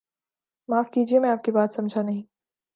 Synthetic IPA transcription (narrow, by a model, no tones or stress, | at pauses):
maːfkiːd͡ʒiemɛ̃aːp̚kebaːt̪sɐ̃md͡ʒʱanɐɦĩː